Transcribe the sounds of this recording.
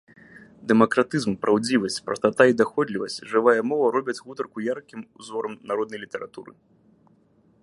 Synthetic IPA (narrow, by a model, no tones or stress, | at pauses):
d̪ɛmɐkɾat̪ɨzmpɾʔawd͡zʲivɐsʲt͡sʲpɾɐ̰st̪at̪aid̪axɔd̪lʲivɐsʲt͡sʲʐɨvajɐmɔvɐɾɔbʲɛt͡sʲɣut̪ɐrkujarkʲimuzɔɾɐmnaɾɔd̪nɐjlʲit̪ɛɾat̪uɾɨ̰